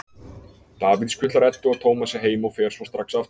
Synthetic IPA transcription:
t̪aːvit̪skʰʏt̪laɾɛt̪ːʏaðt̪ʰoːwmasɛɦeːjmawfɛːɾ̥svɔst̪ɾaksaft̪

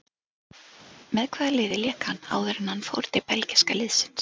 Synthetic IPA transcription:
mɛðkʰvɛːðalɪːðɪljɛːkhanːa̰ːwðɛɾɪnhanːfo̰wɾt̪ɪpɛlcɪskalɪːðsɪ̥ns

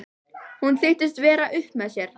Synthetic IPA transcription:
hunθɪht̪ɪs̬t̪vɛːɾaʔʏhpmɛðsjɛɾ̥

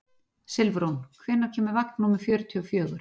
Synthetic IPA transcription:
sɪlvɾownkʰvɪːnːaɾ̥cʰɛːmɪɾvaknːuːmɪ̥fjœːɾʏt̪ʰiɔfjœːɣʏɾ̥

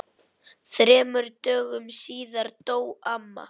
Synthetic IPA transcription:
θɾɛːmʏɾt̪œːɣʏmsiːðaɾt̪oːwamːa̰

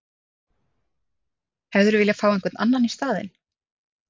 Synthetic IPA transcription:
hɛvðʏɾʏvɪːljafaːwɛnŋkvɛt̪nʔa̰nːanist̪aːðɪ̰n

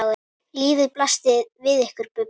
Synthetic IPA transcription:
ɣʏ | liːvɪðplast̪ɪðvɪðɛhkʏɾ̥pʏ

